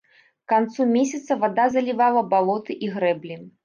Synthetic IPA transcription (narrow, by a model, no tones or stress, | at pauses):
kant̪sumʲesʲɐt̪sɐvad̪azɐlʲivalˠɐbalˠɔt̪ɨʔiɣɾɛblʲi